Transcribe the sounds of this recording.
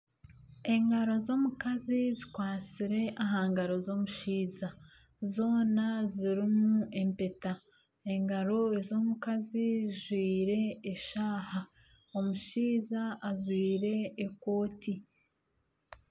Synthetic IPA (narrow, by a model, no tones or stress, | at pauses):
e̞ŋɡaɾo̞zo̞ːmukazizikwaːt͡siɾe̞ʔaɦaːŋɡaɾo̞zo̞muʃiːza | zo̞ːnaziɾimuʔe̞mpeta | e̞ŋɡaɾo̞ezo̞mukaziziʒwiːɾe̞ːʃaːha | o̞muʃiːzaːʒwiːɾe̞ːko̞ːti